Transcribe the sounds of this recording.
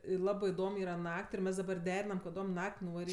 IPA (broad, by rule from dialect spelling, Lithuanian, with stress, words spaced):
ˈlˠɑːbɜ ɪˈdoːm ˈiːrɐ ˈnɐkʲtʲ ɪr ˈmʲɛs dɐˈbɐr ˈdʲæːrʲɪnɐm kɐˈdoːm ˈnɐkʲtʲ nʊʋɐˈrʲiːtʲ